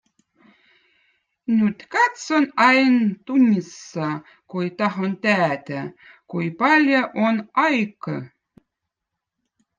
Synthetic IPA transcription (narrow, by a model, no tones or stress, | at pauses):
nʲyt̪kɑt̪sonɑjnt̪unʲisːɑ | kujt̪ɑɦont̪æːt̪æ | kujpɑlʲjaʔonɑjkə